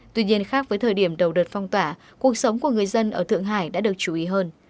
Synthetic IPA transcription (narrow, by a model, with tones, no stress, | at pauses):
t̪wi˧ɲi˧ənxaː˦˥k̚vəː˨˦jt̪ʰəː˨˩jɗi˧˩əmɗə˨˩wɗəː˨˩t̚fɔ˧wŋ͡mt̪waː˧˩ | ku˨˩ək̚sə˨˦wŋ͡mku˧˩əŋɨ˨˩əjzə˧nʔəː˧˩t̪ʰɨ̰˧˨əŋɦa̰ː˧˩jɗa̰ː˧˥ɗɨ˨˩ək̚t͡ɕu˧˩ʔi˨˦ɦəː˧n